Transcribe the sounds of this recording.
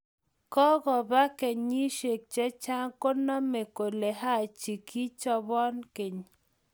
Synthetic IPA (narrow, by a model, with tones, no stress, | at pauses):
kɔ˦ɡɔ˨ba˦ke˨ɲi˦ʃe˨k̚t͡ʃɛ˦t͡ʃa˦ŋko˦nɔ˦me˨ko˨le˨ɦa˦˨t͡ʃi˨kʰi˦t͡ʃɔ˦bɔ˦nke˨ɲ